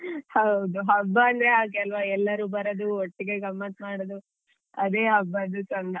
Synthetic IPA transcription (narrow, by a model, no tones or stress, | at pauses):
hɐwd̪uɦɐbːɐːnd̪ɐɾeaːk̬ɛlʋɐɛlːɐɾuːbɐɾod̪uoʈːiɡe̞ɡɐmːɐt̪maːɽod̪u | ɐd̪eːɦɐbːɐd̪ut͡ʃɐnd̪ɐ